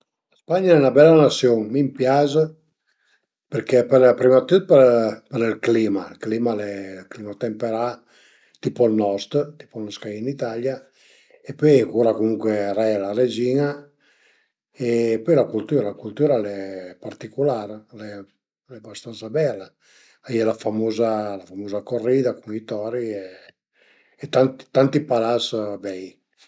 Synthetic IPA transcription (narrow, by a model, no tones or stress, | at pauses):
laspaɲaɛnabɛlːanasjoŋmimpjazə | peɾkɛpɛɾapɾimat̪ut̪̚pəɾpəɾilkliːma̰lkliːmalɛlklimat̪ɛmpeɾa | t̪ipɔlnɔst̪t̪i̥pɔnɔskainit̪alja | epøjkuːɾakomuŋkweɾɛlared͡ʒiːna | epɔjlakult̪uːɾalakult̪uːɾalɛpart̪ikulaɾlɛ | lɛbast̪ant̪sabɛlːa | aiɛlafamoːzalafamoːzakorːiːd̪akuŋit̪ɔːɾie | ɛt̪ant̪i̥t̪ant̪ipalasbɛj